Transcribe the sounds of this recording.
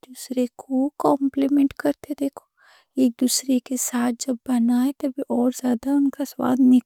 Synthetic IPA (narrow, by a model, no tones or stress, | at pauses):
d̪̥uːsɾekʰokɔ̃ːmplimɛ̃ɳʈkɐɾt̪eed̪eːkʰo̥ | eːk̚d̪uːsɾekesaːt̪̚ʰd͡ʒɐbːɐnaːet̪ɐbʱiʔɔːɾzjaːd̪aʊnkaswa̰ːd̪nɪk